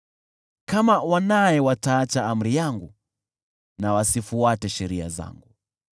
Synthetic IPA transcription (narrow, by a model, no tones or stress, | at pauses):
kamawanajɛwataːt͡ʃaam̩ɾijaŋɡu | nawasifuatɛʃɛɾia̰za̰ŋɡu